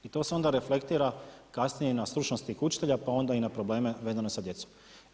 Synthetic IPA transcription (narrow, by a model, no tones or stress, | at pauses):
it̪o̞se̞o̞nd̪aɾe̞fle̞kt̪iːɾakasnije̞inast̪ɾut͡ʃno̞st̪ixut͡ʃi̥t̪eʎapao̞nd̪ainapɾo̞ble̞ːme̞ʋe̞zano̞sad̪je̞t̪som